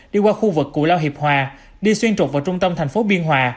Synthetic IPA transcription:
ɗi˧kwaː˧xu˧vɨ˨˩kːṵ˧˩laː˧wɦi˨˩əp̚hwaː˨˩ | ɗi˧swi˧ənt͡ɕo˨˩t̚vaː˨˩t͡ɕʊ˧ŋ͡mt̪ə˧mt̪ʰɛ˨˩ŋ̟fo˨˦ɓi˧ənɦwaː˨˩

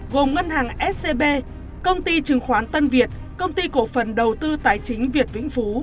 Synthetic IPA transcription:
ɣo˨˩mŋə˧nhaː˨˩ŋʔɛ˦˥t̚se˧ɓe˧ | kə˧wŋ͡mt̪i˧t͡ɕɨ˨˩əŋxwaː˨˦nt̪ə˧nvi˨˩ət̚ | kə˧wŋ͡mt̪i˧ko˧˩fə˨˩nɗə˨˩wt̪ɨ˧t̪aː˨˩jt͡ɕï˨˦ŋ̟vi˨˩ət̚vḭ˧˥ŋ̟fu˨˦

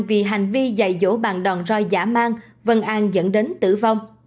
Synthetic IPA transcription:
vḭ˨˩ɦa˨˩jŋ̟vi˧za̰˧˩jzo̰˧˥ɓa̰ː˨˩nɗɔ˨˩nzɔ˧jzaː˧˥maː˧ŋ | və˧nʔaː˧nzə̰˧˥nɗe˨˦nt̪ɨ̰˧˩va˧wŋ͡m

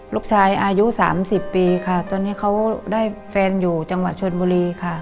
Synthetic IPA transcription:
luː˥˩k̚t͡ɕʰaː˧jʔaː˧ju˦˥sa̰ː˩˦msi˨˩pːiː˧kʰa˥˩t̪ɔː˧nːiː˦˥kʰa˦˥wdaː˥˩jfɛː˧njuː˨˩t͡ɕa˧ŋwa˨˩t̪̚t͡ɕʰo˧nbuː˧ɾiː˧kʰa˥˩

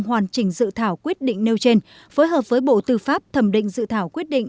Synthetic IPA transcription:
ŋɦwaː˨˩nt͡ɕï˧˩ŋ̟zɨ̰˧˨t̪ʰaː˧˩wkwi˦˥ət̚ɗḭ˧˨ŋ̟ne˧wt͡ɕe˧n | fo˨˦jɦəː˨˩p̚vəː˨˦jɓo̰˧˨t̪ɨ˧faː˦˥p̚t̪ʰə˧˩mɗḭ˧˨ŋ̟zɨ̰˧˨t̪ʰaː˧˩wkwi˦˥ət̚ɗḭ̈˧˨ŋ

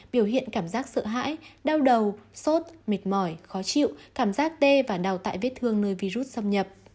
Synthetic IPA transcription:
ɓi˧˩əwhḭ˧˨ənkaː˧˩mzaː˦˥k̚sə̰ː˧˨ɦa̰ː˧˥jɗaː˧wɗə˨˩wso˦˥t̚me˨˩t̚mɔ˧˩jxɔ˨˦t͡ɕḭ˧˨wkaː˧˩mzaː˦˥k̚t̪e˧vaː˨˩ɗaː˨˩wt̪a̰ː˧˨jve˦˥t̚t̪ʰɨ˧əŋnəː˧jvi˧zu˦˥t̚sə˧wŋ͡mɲə˨˩p̚

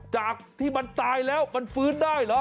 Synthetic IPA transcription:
t͡ɕaː˨˩k̚t̪ʰiː˥˩ma˧nt̪aː˧jlɛː˦˥wma˧nfɯː˦˥ndaː˥˩jlɔ˦˥

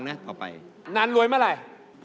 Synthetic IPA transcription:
ŋnaː˦˥t̪ʰɔː˨˩pa̰˧jnaː˧nlu˧əjmaː˧˥˩ɾa˨˧˩j | p

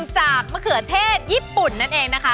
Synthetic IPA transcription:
ŋt͡ɕaː˨˩k̚ma˧kʰɯ˨˩˦t̪ʰeː˥˩t̪̚jiː˥˩pːu˨˩nːa˦˥˩nʔeː˧ŋna˦˥kʰa˦˥

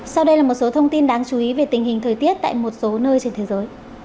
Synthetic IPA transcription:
sa˧wɗə˧jlaː˨˩mo˨˩t̚so˨˦t̪ʰə˧wŋ͡mt̪i˧nɗaː˨˦ŋt͡ɕu˨˦ʔi˨˦ve˨˩t̪ï˨˩ŋ̟hï˨˩ŋ̟t̪ʰəː˨˩jt̪i˦˥ət̚t̪a̰ː˧˨jmo˨˩t̚so˨˦nəː˧jt͡ɕe˧nt̪ʰe˨˦zəː˨˦j

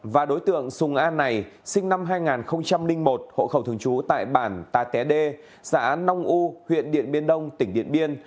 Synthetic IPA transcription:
vaː˨˩ɗo˨˦jt̪ɨ̰˧˨əŋsʊ˨˩ŋʔaː˧nːa˨˩jsï˧ŋ̟na˧mɦaː˧jŋaː˨˩nxə˧wŋ͡mt͡ɕa˧mlï˧ŋ̟mo˨˩t̚ho̰˧˨xə˧˩wt̪ɨ˨˩əŋt͡ɕu˨˦t̪a̰ː˧˨jɓaː˧˩nt̪aː˨˩t̪ɛ˨˦ɗe˧ | sa̰ː˧˥˦na˧wŋ͡mʔu˧hwḭ˧˨ənɗḭ˧˨ənɓi˧ənɗə˧wŋ͡mt̪ï˧˩ŋ̟ɗḭ˧˨ənɓi˧ən

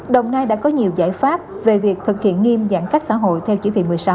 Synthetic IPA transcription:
ɗə˨˩wŋ͡mnaː˧jɗa̰ː˧˥kɔ˨˦ɲi˨˩əwzaː˧˩jfaː˦˥p̚ | ve˨˩vi˨˩ək̚t̪ʰɨ˨˩k̚hḭ˧˨ənŋi˧mza̰ː˧˥˩ŋka˦˥jk̟̚sa̰ː˧˥ɦo̰˧˨jt̪ʰɛ˧wt͡ɕi˧˦t̪ʰḭ˧˨˩mɨ˨˩əsa˨˦w

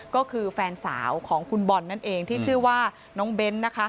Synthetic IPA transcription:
kɔː˥˩kʰɯː˧fɛː˧nsa̰ː˩˦wkʰɔː˩˦ŋkʰu˧nbɔ˧nːa˥˩nʔeː˧ŋt̪ʰiː˥˩t͡ɕʰɯ˥˩ɐwaː˥˩ | nɔː˦˥ŋbe˦˥nːa˦˥kʰa˦˥

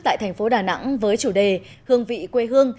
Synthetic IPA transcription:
t̪a̰ː˧˨jt̪ʰɛ˨˩ŋ̟fo˨˦ɗaː˨˩na̰˧˥ŋvəː˨˦jt͡ɕu˧˩ɗe˨˩ | hɨ˧əŋvḭ˧˨kwe˧ɦɨ˧əŋ

